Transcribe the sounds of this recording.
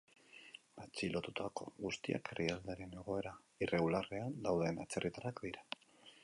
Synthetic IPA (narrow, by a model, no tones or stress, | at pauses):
bat͡silo̞t̪ut̪ʰako̞̰ɣust̪ia̰kerʔiald̪eɾe̞ne̞ɣ̞o̞e̞ɾa | ire̞ɣulare̞and̪awðe̞nat͡se̞rit̪arakd̪iɾa